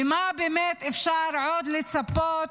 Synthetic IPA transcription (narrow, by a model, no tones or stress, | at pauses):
ɪmabɪmeːt̪ʔɪfʃɑːɾʕoːd̪lɪt̪sabːoːt̪